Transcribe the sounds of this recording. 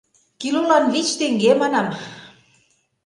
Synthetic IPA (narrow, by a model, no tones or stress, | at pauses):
kilulɑnβit͡ɕt̪eŋɡemɑnɑm